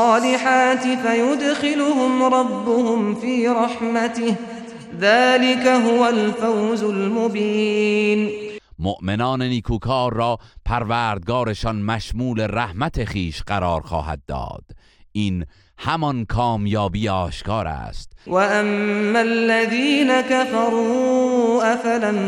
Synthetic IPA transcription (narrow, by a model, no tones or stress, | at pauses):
ɑːlɪħaːt̪ɪfajʊd̪xɪlʊhʊmɾˤɑbːʊhʊmfiːɾˤɑħmat̪ɪh | ðaːlɪkaɦʊwalfawzʊlmʊbiːn | moʔmenɒːneniːkʰuːkʰɑːɾːɒːpʰæɾvæːɾd̪̚ɡɒːɾe̞ʃɒnmæʃmuːle̞ɾæhmæt̪ʰe̞χiːʃɢæɾɒːɾxɒ̰ːhæ̰d̪̚ːɒ̰ːd̪̥ | ʔiːn | hæmɒnkʰɒːmjɒːbiːeɒːʃkɑːɾæ̰st̪waʔamːalːaðiːnakafɑɾˤuːʔafalam